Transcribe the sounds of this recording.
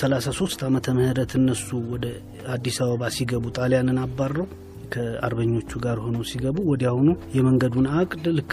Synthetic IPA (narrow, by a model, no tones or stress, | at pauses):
səlasaso̞st̪ʰamət̪ʰəməhɨɾət̪ʰɨnːəsuwɔd̪ə | ad̪ːisaβəβasiɡəβut̪ʼalejanɨnabːarːəw | kʰəa̰ɾbəɲːo̞t͡ʃːuɡaɾho̞nəwsiɡəβuwɔd̪jahunujɛməŋɡəd̪unakʼd̪ɨlɨkː